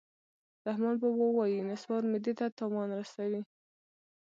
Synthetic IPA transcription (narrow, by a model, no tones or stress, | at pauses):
ɾahmɑnbəwəwɑjinɪswɑɾmɪd̪et̪at̪ɑwɑnɾasawi